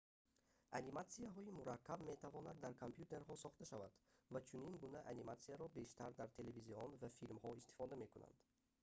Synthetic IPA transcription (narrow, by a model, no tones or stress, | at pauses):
animat̪siaɦɔimuɾakʰːabme̞t̪ʰavɔnad̪ːaɾkʰompʰjut̪e̞ɾɦɔsɔχt̪aʃavad̪̥vat͡ʃʰuniŋɡunaʔanimat̪siaɾɔbe̞ʃt̪ʰaɾd̪aɾt̪ʰe̞leviziɔnvafilmhɔist̪i̥fɔd̪ame̞kuna̰nd̪̥